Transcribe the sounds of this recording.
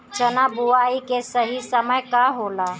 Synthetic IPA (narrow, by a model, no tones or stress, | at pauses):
t͡ʃənabuaikesəɦisəməjkaɦola